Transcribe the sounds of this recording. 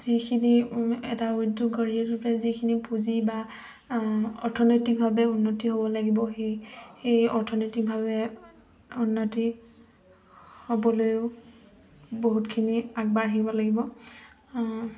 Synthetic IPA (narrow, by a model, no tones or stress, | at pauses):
zikʰiniɛ̰tauduɡɡɔɹiɛtʊpɹazikʰinipuziba | ɔɹtʰɔnetik̚bʱabɛunːotiɦobɔlaɡibɔɦejhejɔɹtʰɔnitik̚bʱabɛ | unːoti | hobɔlojʊ | boɦutkʰiniak̚baɹɦibɔlaɡibɔ